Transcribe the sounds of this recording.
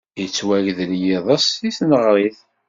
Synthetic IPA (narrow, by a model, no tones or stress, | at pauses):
jət͡sːwæʝðəljɪðˤəsisnəʁɾˤiθ